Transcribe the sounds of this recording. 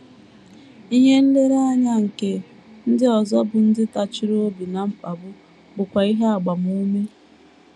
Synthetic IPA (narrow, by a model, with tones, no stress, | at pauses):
i˦ɦe˦n̩˦dɪ˦ɾa˦ɲa˦ŋ̩˨ke˨ | n̩˦dɪ˦ɔ˨zɔ˦bʊ˨n̩˦dɪ˦ta˨t͡ʃi˦ɾo˦o˦bi˨na˨m̩˦pa˨bʊ˦ | bʊ˨kʷa˨i˦ɦe˦a˨ɡ͡ba˨mu˦me˦